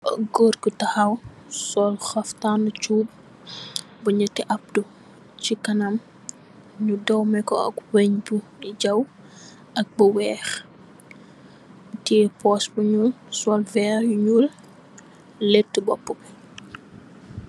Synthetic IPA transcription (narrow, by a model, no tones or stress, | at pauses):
ɐɡɔːrkətɐxɐw | sɔlxɐftanut͡ʃuːb̚ | bɐɲɐtɛʔɐp̚du | cikɐnɐm | ɲudɔwmɛkɔɐ̰kweɲbuiɟɐw | ɐk̚bɐwɛːx | tiːpɔsbuɲusɔlvɛːɾjuɲul | ɛtːəbɔpːək